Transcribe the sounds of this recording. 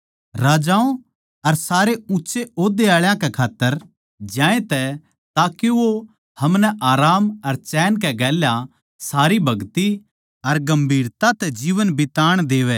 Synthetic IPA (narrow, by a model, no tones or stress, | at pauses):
ɾaːd͡ʒaːõ | ɐɾsaːɾeʊtːʃeoːd̪eaːɭjãkɛkʰaːt̪ːəɾ | d͡ʒãːẽt̪ɛ | t̪aːkiʋo | hɐmnɛʔaːɾaːmɐɾt͡ʃɛːnk̬ɛɡɛːljã | saːɾibʱɐɡt̪i | ɐɾɡɐ̃mbʱiːɾt̪at̪ɛd͡ʒiːʋənbɪt̪aːɽ̃d̪eːʋɛː